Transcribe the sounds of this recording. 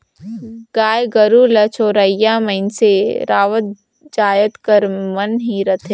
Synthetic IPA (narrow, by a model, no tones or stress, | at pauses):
ɡ̥aːjɡəɾulɐt͡ʃʰoːɾəjaməɪnseɾaːʋət̪̚ | d͡ʒaːjət̪kəɾmɐnɦiɾɐt̪ʰe